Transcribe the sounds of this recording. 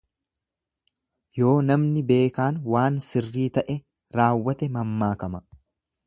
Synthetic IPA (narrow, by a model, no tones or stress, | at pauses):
jo̞ːnɐmnɪbe̞ːkaːnwaːnsɪrːiːt̪ɐʔɛ | ɾaːwːɐt̪ɛmɐmːaːkɐmɐ